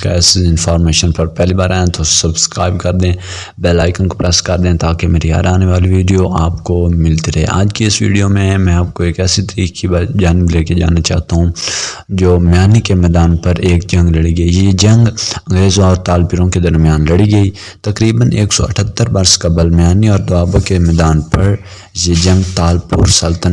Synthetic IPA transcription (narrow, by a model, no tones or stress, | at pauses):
kɛːsɪɪ̃nfʰaːɾmeːʃənpɐɾpɛːlibaːɾaːẽt̪osɐbskɾaːɪbkɐɾd̪ẽ | bɛːlaːɪkənkopɾɛskɐɾd̪ẽːt̪aːkemeːɾiɦa̰ːɾaːneʋaːliʋiːɖijoaːpkomɪlt̪iɾɐɦɛ̰ʔa̰ːd͡ʒkiɪsʋḭːɖijomẽɦɛ̃mɛ̃ːaːp̚koeːkɛːsit̪əɾiːkkibaːd͡ʒaːnɪbleːked͡ʒa̰ːnat͡ʃa̰ːɦt̪aɦũːd͡ʒoːmjaːnikemɛːd̪aːnpɐɾeːk̚d͡ʒɐ̃ŋɡlɐɽiɡɐijed͡ʒɐ̃ŋɡɐ̃ŋɡɾeːzõɔːɾt̪aːlpɪɾõked̪ɐɾmijaːnlɐɽiɡɐiː | t̪ɐkɾiːbəneːksɔ̰ɐ̰ʈʰət̪ːəɾʋɐɾskɐbəlmjaːniɔːɾd̪aːbõkemɛːd̪aːnpɐɾ | jed͡ʒɐ̃ŋɡt̪aːlpʊ̰ːɾsɐlt̪ən